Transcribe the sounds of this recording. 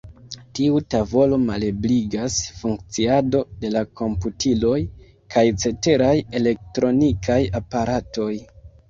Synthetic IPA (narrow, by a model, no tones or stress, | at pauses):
tiutavo̞lo̞malebliɡasfuŋk̚t͡siado̞de̞lako̞mputilo̞j | kʰajt͡se̞te̞ɾaje̞le̞k̚tɾo̞nikʰajapaɾato̞j